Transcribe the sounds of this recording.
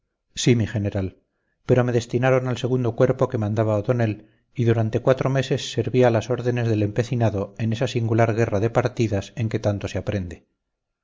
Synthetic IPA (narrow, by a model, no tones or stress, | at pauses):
simiχe̞ne̞ɾal | pe̞ɾo̞me̞ðe̞st̪inaɾo̞nalse̞ɣ̞und̪o̞kwe̞ɾpo̞ke̞mãnd̪aβaot̪o̞ne̞l | iðuɾant̪e̞kwat̪ɾo̞me̞se̞sːe̞ɾβialaso̞ɾðe̞ne̞zðe̞le̞mpe̞θinaðo̞e̞ne̞sasiŋɡulaɾɣ̞e̞raðe̞paɾt̪iðase̞ŋke̞t̪ant̪o̞seapɾe̞nd̪e̞